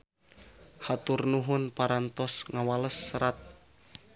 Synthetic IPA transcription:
hat̪urnuɦʊnpaɾant̪ɔsŋawaləsːəɾat̪̚

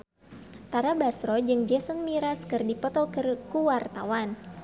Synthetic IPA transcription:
t̪aɾabasɾɔd͡ʒɨŋd͡ʒɛsəŋmiɾaskɨrdipɔt̪ɔkɨrkuwart̪awan

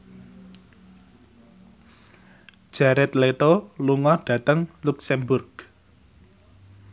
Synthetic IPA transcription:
d͡ʒ̥aɾɛt̪let̪oluŋɔɖ̥ä̤t̪əŋluksɛmbʊrɡ

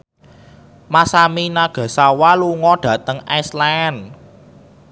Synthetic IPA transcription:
masaminaɡ̥a̤sawaluŋɔɖ̥ä̤t̪əŋajslan

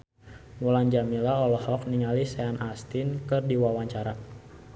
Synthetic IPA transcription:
muland͡ʒamilaɔlɔhɔk̚niŋalisɛanʔast̪inkɨrdiwawaɲt͡ʃaɾa

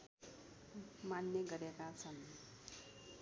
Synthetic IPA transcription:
manːjʌɡʌɾekat͡sʰʌn

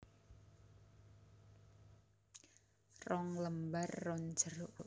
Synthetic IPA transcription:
rɔŋləmbarːɔnd͡ʒəɾoʔ

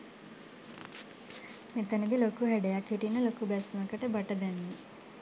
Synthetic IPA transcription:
met̪anid̪ilokuɦæɖejakːiʈinːəlokubɛsmakəʈəbɐʈəd̪ɛnːi

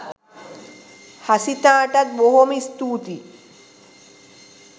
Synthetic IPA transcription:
hasit̪ãːʈat̪̚boɦomist̪uːt̪i

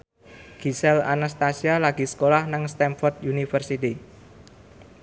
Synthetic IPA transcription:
ɡ̥isɛla̰nast̪asialaɡ̥i̤sə̥kolahnaŋst̪ɛmfɔrt̪junifərsit̪i

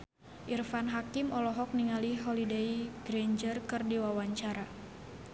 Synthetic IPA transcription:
ʔirfanɦakimɔlɔɦɔk̚niŋaliɦɔlideiɡɾeɲd͡ʒərkɨrdiwawaɲt͡ʃaɾa

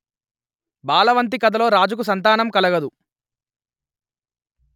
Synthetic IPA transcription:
baːlɐʋɐnt̪̬ikɐd̪ɐlo̞ːɾaːd͡ʒuk̬us̬ɐnt̪̬aːnɐmkɐlɐɡɐd̪u

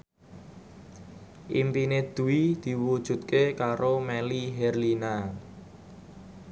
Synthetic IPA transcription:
ʔimpined̪̥ṳwid̪̥i̤wud̥ʒ̥ṳt̪̚kekaɾomɛliɦɛrlina

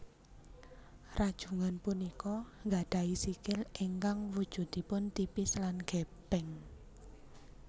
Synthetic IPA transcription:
rad̥ʒ̥ṳŋanpunikɔŋɡaɖ̥a̤isikɪliŋkaŋwud̥ʒ̥ṳd̪ipʊnt̪ipɪslanɡ̥ɛb̥ɛŋ

